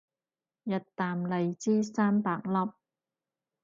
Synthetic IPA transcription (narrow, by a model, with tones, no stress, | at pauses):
jɐ˨t̚t̪aː˨mle˨jt͡siː˥saː˥mpaː˨k̚lɐ˥p̚